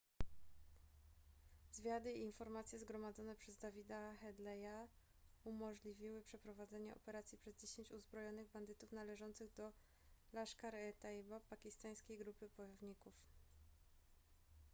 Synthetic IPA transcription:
zvʲjad̪ɘiːnfɔɾmat̪sʲjɛzɡɾɔmad̪zɔnɛpʂɛzd̪avʲid̪axɛd̪lɛja | umɔʐlʲivʲiwɘpʂɛpɾɔvad̪zɛɲɛʔɔpɛɾat̪sʲjipʂɛzd͡ʑeɕeɲt͡ɕuzbɾɔjɔnɘɣband̪ɘt̪ufnalɛʐɔnt̪sɘɣd̪ɔ | laʂkaɾɛt̪ajbapakʲist̪aj̃skʲejɡɾupɘpɔjɔvɲikuf

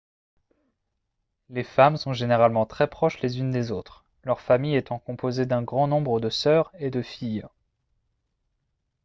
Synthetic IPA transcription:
lefamsɔ̃ʒeneʁalmɑ̃t̪χɛpχɔʃlezynd̪ezot̪χ | lœʁfamijet̪ɑ̃kɔ̃pʰozed̪ɛ̃ɡʁɑ̃nɔ̃bʁəd̪əsœːʁed̪əfij

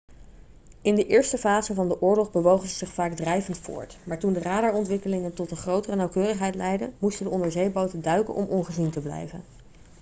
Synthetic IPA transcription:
ɪndəʔɪːɹstəfaːzəvɑndəʔʊːɹlɔχbəʋowχənzəzɪχfaːɡdrɛjvəntfʊ̰ːɹtmaːɹtundəraːdəɹɔntʋɪkəlɪŋəntɔtənχrowtərənɑwkøːrəχɦɛjtlɛjdə̰nmustəndəɔndəɹzejbowtəndœɥkə̰nʔɔ̰mʔɔnχəzintəblɛ̰jvə̰n

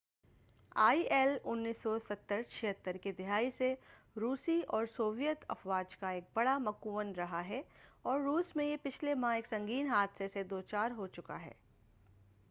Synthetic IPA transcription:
aːiʔɛlʊnːiːsːɔsɐt̪ːəɾt͡ʃʰɪɦət̪ːəɾkid̪ɪɦaːise | ɾuːsiɔːɾsoːʋjət̪ɐ̰fʋaːd͡ʒkaeːk̚bɐɽamɐkuʋənɾɐɦaɦɛɔːɾːuːsmẽjepɪt͡ʃʰlemãeːksɐ̃ŋɡiːnɦaːd̪sesed̪oːt͡ʃaːɾɦot͡ʃʊka̰ɦɛ̰ː

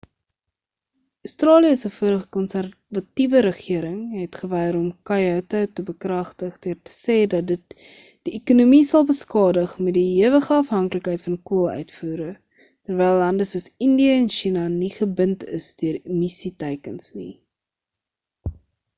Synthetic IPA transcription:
œstrɑːliəsəfuəɾəχə̥kɔnsær | vɐtivəɾəχiəɾəŋɦɛtχəvɛjəɾɔmkɐjɐtɐtəbəkrɐχtəχduərtə̥sɛːdɐt̚dət̚ | d̥iekunumisɐlˠbəskɑːdəχmɛtdiɦiəvəχəɐfɦɐŋkləkɦɛjtfɐnkuəlˠœ̰ɥtfuːɾə | tərvɛjlːɐndəsuəsəndiəɛnʃinɐniχəbəntʰəsdyəɾmisitɛjkənsni

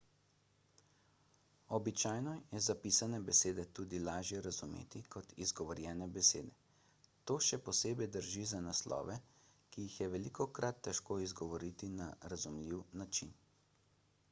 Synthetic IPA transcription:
ɔbit͡ʃaːjnɔjɛzapiːsanɛbɛseːd̪ɛt̪uːd̪ilaːʒjɛɾazumḛːt̪ikɔt̪izɡɔʋɔɾjɛnɛbɛsḛːd̪ɛ | t̪oːʃɛpɔseːbɛjd̪əɾʒizanaslʔɔ̰ːʋɛ | kijixjɛʋɛlikɔkɾat̪ːɛʃkoːizɡɔʋɔɾit̪inaɾazumliwnat͡ʃin

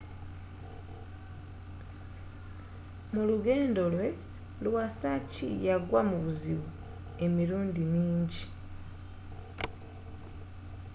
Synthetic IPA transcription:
muluɡeːndo̞lwe̞ | lwasacḭjaɡwamuβuziβu | e̞miluːndimiːɲɟi

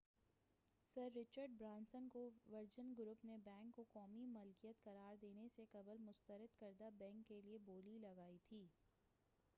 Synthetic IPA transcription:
səɾːɪt͡ʃəɾɖ̚bɾãːnsənkoʋɐɾd͡ʒənɡʊɾuːpnebɛ̃ːŋkːokɔːmimʊlkijət̪kɐɾaːɾd̪eːneseqɐbəlmʊst̪əɾəd̪kɐɾd̪abɛ̃ːŋkːelieboːlilɐɡaːit̪ʰiː

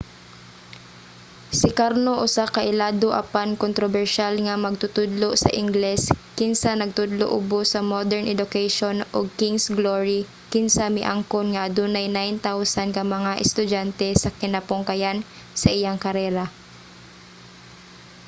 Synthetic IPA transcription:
sɪkaɾnoʔʊsakɐʔɪlaːd̪oʔɐ̰pankont̪ɾobɛɹʃalŋɐmɐɡ̚t̪ʊt̪ʊd̪losɐ̰ʔɪŋɡlɛskɪnsanɐɡ̚t̪ʊd̪loʔʊbosɐmod̪ɛɹnʔɛd̪ʊkɛjʃonʔoɡ̚kɪŋsɡloɹi | kɪnsamɪʔaŋkonŋɐʔɐd̪uːnajnajnt̪awsankɐmɐŋaʔɛst̪ʊd͡ʒant̪ɛsɐkɪnɐpʊŋkɐjan | sɐʔɪjaŋkɐɾɛːɾa

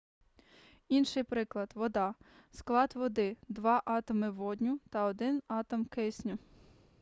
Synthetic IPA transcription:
inʃɪjpɾɪklˠɐd̪̥ʋɔd̪ɑsklˠɑd̪ʋɔd̪ɪd̪ʋɑʔɑt̪ɔmɪʋɔd̪ʲnʲʊt̪ɐɔd̪ɪnɑt̪ɔmkɪsʲnʲʊ

